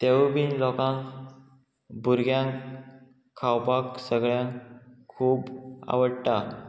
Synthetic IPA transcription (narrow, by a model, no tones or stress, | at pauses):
t̪eʋbinlɔkãŋ | buɾɡʱjãŋkʰː | awpaksəɡɭjãŋkkʰːuːba̰ʋəɽʈa